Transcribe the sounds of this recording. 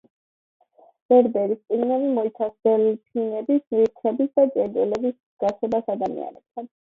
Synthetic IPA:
b̥ɛɾb̪ɛɾist̪sʼiɡnɛbimɔit̪sʰasbɛlpʰinɛbismiɾt̪ʰɛbisd̪ad͡ʒʼɛɾd͡ʒɛlɛbis | ɡ̥at̪sʰɛbasad̪amḭa̰nɛb̚t̪ʰan

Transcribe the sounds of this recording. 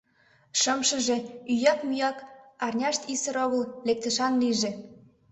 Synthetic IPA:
ʃəmʃə̆ʒe̽yjɑkmyjɑkɑrnʲɑʃt̪isə̆ɾoɣə̆llek̚t̪ə̆ʃɑnliʒĕ

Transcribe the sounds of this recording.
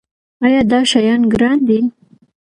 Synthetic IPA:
ɑjɑd̪ɑʃajɑnɡɾɑnd̪i

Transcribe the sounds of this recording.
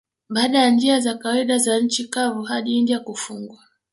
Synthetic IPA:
ɓaːɗajand͡ʒiazakawaiɗazaɲ̩t͡ʃikavuhaɗiiniakufuŋɡwa

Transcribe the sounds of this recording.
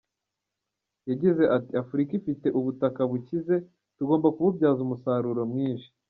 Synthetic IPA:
jaɟize̞ʔatiafuɾikifite̞ʔuβutakaβucize̞ | tuɡoːmbakuβubɟaːzumusaːɾuɾo̞mŋiːnʃi̥

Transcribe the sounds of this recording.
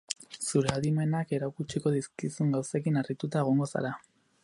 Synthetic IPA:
suɾe̞aðime̞nake̞ɾakut͡ʃiko̞ðiskisuŋɡawse̞kinarit̪ut̪aeɣ̞o̞ŋɡo̞sa̰ɾa

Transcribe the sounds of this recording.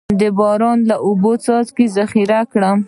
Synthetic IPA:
d̪əbɑɾɑnlaʔʊbot͡sɑzkezaxiɾakɽam

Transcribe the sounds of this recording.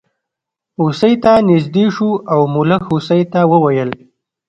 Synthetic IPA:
usəjt̪anɪzd̪eʃuawmʊləxusəjt̪awəwajəl

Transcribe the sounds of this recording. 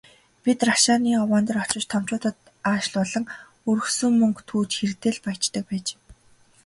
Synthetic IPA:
pʲit̪raʃaːniːɔwaːnt̪ə̆rɔ̥t͡ɕɪ̆t͡ɕt̪ʰɔm̥t͡ɕʊːt̪ə̆t̪ | aːʃɮɔɮɞ̆ŋ | ɵɾɵ̆xsɵ̆ŋmɵŋkt̪ʰuːt͡ɕxert̪eːɮpajt͡ɕt̪ə̆k̚pæːt͡ɕː

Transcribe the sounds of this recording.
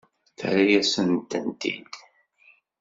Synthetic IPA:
θə̰ɾæjæsənt̪ənt̪ḭd̪

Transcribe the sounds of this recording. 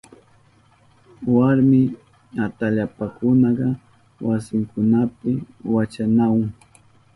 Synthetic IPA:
waɾmɪ | at̪aʎapakʊnɑɢɑ | wasɪŋkʊnapɪwat͡ʃanawʊŋ

